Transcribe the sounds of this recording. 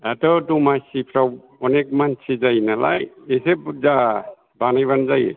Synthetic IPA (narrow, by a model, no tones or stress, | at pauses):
atɔtumajsipʰɾaw | ɔnek̚mansʰizajnala̰jesepd͡ʒa | banajβanzaj̰